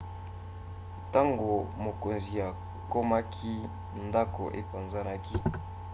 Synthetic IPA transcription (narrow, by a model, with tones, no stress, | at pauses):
ta˦ŋɡo˨mo˨ko˨nzi˨ja˨ | ko˦ma˦kʰi˦ | nda˦ko̰˨ʔḛ˨pa˨nza˦na˦ki˦